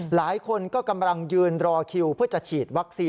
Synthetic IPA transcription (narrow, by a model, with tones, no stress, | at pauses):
laː˩˦jkʰo˧nkɔː˥˩ka˧mla˧ŋjɯː˧nɾɔː˧kʰi˧wpʰɯ˥˩ɐt͡ɕa˨˩t͡ɕʰiː˨˩t̪̚wa˦˥k̚siː˧